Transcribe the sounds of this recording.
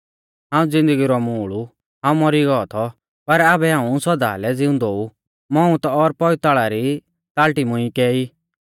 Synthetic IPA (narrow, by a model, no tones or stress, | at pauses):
ɦãːũd͡zɪ̃nd̪əɡiɾɔmuːɭu | ɦãːũmɔɾiɡɔɔt̪ʰɔ | pɐɾaːbɛɦãːũsɔd̪a̰ːlɛd͡zɪʊ̃nd̪ou | mɔũt̪ɔːɾpɔit̪aːɭaɾi | t̪aːlʈimʊ̃ĩkɛːi